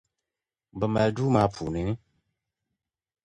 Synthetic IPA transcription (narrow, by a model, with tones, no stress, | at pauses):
bə˨ma˨lduː˦ma˨˦pʰu˨ni˨ni˦